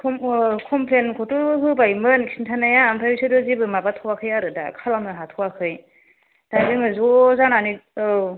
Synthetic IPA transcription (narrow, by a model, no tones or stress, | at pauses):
kʰɔmkʰɔmpʰlenkʰɔtɯɯɦɯbajmɯnkʰi̥sintʰanajaːmpʰaɾisɯdɯzibɯmabatʰɔwakʰɯjaɾɯda̰kʰalamɯɦatʰɔwakʰɯj | dazɯŋɯzɔzananiɯ